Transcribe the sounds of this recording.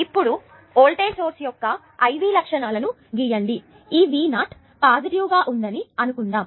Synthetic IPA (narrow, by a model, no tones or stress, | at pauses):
ipːuɽu | oːɭʈeːsoːɾsjɔkːɐ | ɐjʋiːlɐkʂɐnaːlɐnu | ɡijɐɳɖi | iːʋiːnaːʈ | paːd̪ɐɾjuːɡaːʔund̪ɐniɐnukuɳɖaːm